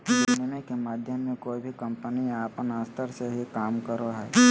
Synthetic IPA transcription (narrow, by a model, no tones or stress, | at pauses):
ɪnɪmẽkemaːd̪ʱjəmːẽkoːibʱikə̃mpəniaːpənaːst̪ʰəɾseɦikaːmkəɾoɦɛː